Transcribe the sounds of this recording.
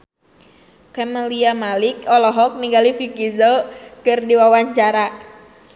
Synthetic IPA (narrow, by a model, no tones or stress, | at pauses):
kɛməliamalikɔlɔɦɔk̚niɡalifikizɔkɨrdiwawaɲt͡ʃaɾa